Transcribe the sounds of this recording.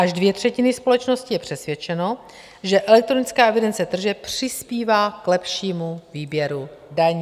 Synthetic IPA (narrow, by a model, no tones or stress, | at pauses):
ʔaʒdvjɛt̪r̝̥ɛcɪnɪspo̞lɛt͡ʃno̞scɪjɛpr̝̥ɛsvʲjɛt͡ʃɛno̞ | ʒɛʔɛlɛk̚t̪ɾonɪt͡skaːʔɛvɪdɛnt͡sɛt̪r̩ʒɛpr̥ɪspiːvaːklɛpʃiːmuviːbjɛɾudaɲː